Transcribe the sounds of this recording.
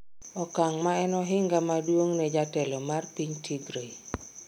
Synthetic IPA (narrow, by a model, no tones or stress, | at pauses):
ɔkaŋmaɛnɔɦɪŋɡamadwoŋnɛd͡ʒatɛlɔmarpiɲtʰiɡɾe